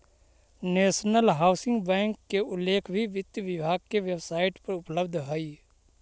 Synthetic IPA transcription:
neːʃnəlɦaːʊsɪ̃ŋɡbɛ̃ːŋkːeʔʊlːeːkʰbʱiʋɪt̪jʋɪbʱaːɡ̚keʋebsaːɪʈpəɾʊpləbd̪ʱɦəiː

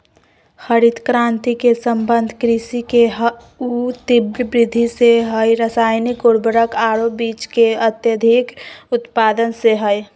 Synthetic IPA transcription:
xəɾid̪kɾãːnt̪ikesəmbənd̪ʱkɾisikeɦ | ut̪ibɾbɾɪd̪ʱiseɦəjɾəsaːjnikoɾbəɾəkaːɾobiːt͡ʃkeət̪jəd̪ʱikʊt̪paːd̪ənseɦəj

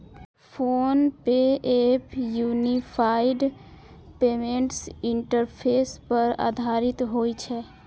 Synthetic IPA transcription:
pʰoːnpeeːpjuːnipʰaːɪɖ | peːmẽɳʈsɪɳʈəɾpʰeːspəɾa̰ːd̪ʱaːɾɪt̪ɦoːit͡ʃʰɛ

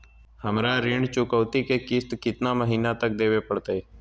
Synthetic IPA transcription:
həmɾaɾɪɳt͡ʃʊkəːt̪ikekɪst̪kɪt̪naməɦiːnat̪ək̚d̪eːʋepəɽt̪aeː

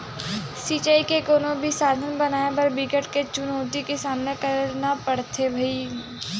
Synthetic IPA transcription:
siːt͡ʃaːikekoːnõbʱisaːd̪ʱənbɐnaːebɐɾbɪkəʈket͡ʃʊnoːt̪ikesaːmnekɐɾnapɐɽt̪ebʱɐi

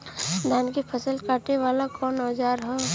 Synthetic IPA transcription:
d̪ʱaːnkipʰəsəlkaːʈeʋaːlakɔːnaːd͡ʒaːɾɦɛː

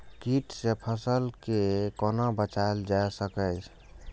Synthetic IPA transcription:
kiʈsepʰəsəlkekɔnabət͡ʃaeld͡ʒaesəkəjt͡ʃʰ

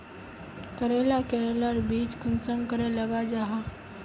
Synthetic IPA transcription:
kəɾeːlakɛɾelaɾbiːt͡ʃkʊnsəmkəɾelɐɡad͡ʒaːɦa

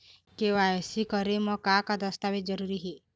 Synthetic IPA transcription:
kewajɔsikɔɾemɔkakad̪ɔst̪abed͡ʒɔɾuɾiɦe

